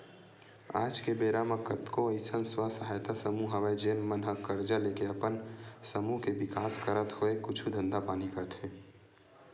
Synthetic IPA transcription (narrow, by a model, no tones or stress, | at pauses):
a̰ːd͡ʒkebeːɾaməkət̪koɐɪsənswasɐɦaːjt̪asɐmuɦɐʋəjd͡ʒeːnmənɦəkːəɾd͡ʒaleːkeɐpənsəmuɦkeʋɪkaːskəɾət̪hoekʊt͡ʃʰud̪ʱə̃nd̪apaːnikɐɾt̪ʰẽː